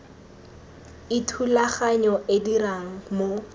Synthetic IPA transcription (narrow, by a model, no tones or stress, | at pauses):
ɪtʰulaχaɲɔʔediraŋ̩mo